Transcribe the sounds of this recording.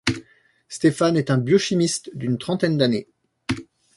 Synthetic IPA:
st̪efanɛt̪ɛ̃bjɔʃimist̪d̪ynt̪χɑ̃t̪ɛnd̪ane

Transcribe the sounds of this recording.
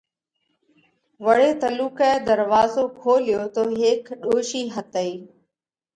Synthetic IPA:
ʋəɽeːt̪əluːkɛːd̪əɾʋaːzoːkʰoːlɪjoːt̪oːɦeːkɗoːʃiːɦət̪əiː

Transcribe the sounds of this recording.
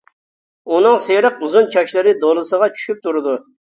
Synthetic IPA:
unɨŋseɾəq̚uzunt͡ʃʰɑʃlˠɨɾɨd̪olˠɨsəʁɑt͡ʃʰy̥ʃyp̚t̪ʰuɾɨd̪u

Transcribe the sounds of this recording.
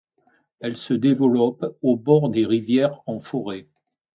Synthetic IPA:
ɛlsəd̪evəlɔpobɔʁd̪eʁivjɛʁɑ̃fɔʁɛ

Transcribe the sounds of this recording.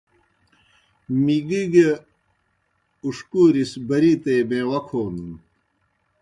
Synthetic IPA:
miɡiɡe | uʂkuːɾisbɐɾit̪ejbẽːwɐkʰoːnum

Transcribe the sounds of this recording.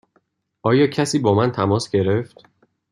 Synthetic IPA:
ʔɒːjɒːcʰæsiːbɒːmænt̪ʰæmɒːsɟe̞ɾe̞ft̪

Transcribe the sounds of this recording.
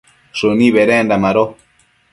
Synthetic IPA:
ʂunĩβeɾendamaɾo

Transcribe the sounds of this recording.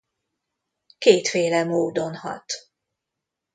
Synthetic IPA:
keːt̪feːlɛmoːd̪o̞nhɒ̰t̪

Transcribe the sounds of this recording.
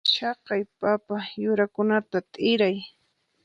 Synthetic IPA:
ʃɑqɑjpapajʊɾakʊnat̪at̪ʼɪɾaj

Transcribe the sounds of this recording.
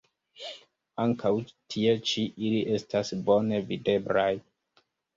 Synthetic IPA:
aŋkʰawtʰie̞t͡ʃiʔiliʔe̞stasbo̞ne̞vide̞blaj

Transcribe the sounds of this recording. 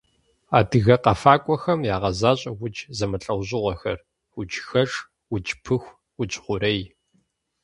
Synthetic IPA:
aːdɨɣɐqɐfaːkʷʼɔxɐmjaːʁɐzaːɕʼɐwʊt͡ʃʼzɐmɐɬʼɐwʑɪʁʷɐxɐ̰r | wʊt͡ʃʼxɐʂ | wʊt͡ʃʼpʰɨxʷ | wʊt͡ʃʼχʷʊɾɐj

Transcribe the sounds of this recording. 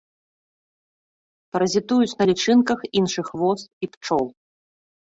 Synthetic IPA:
pɐɾɐzʲit̪ujut͡sʲnɐlʲit͡ʂɨnkɐxinʂɨxvɔsipt͡ʂɔw

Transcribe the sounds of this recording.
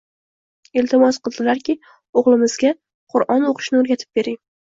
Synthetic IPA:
elt̪ʰɪmɒsqɨlˠd̪ɪlaɾkʲɪ | oʁlˠɪmɪzɡʲa | qʰʊɾʔɒnoqʰɨ̥ʃnɪoɾɡʲat̪ʰɪ̥p̚be̞ɾɪŋ

